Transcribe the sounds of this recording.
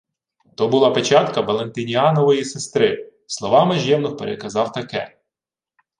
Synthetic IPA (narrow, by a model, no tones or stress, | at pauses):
t̪ɔbʊlˠɑpet͡ʃɑt̪kɐʋɐlˠent̪ɪnʲiɑnɔʋɔjisest̪ɾɪ | slˠɔʋɑmɐʒʲjɛmnɔxpeɾekɐzɑwt̪ɐkɛ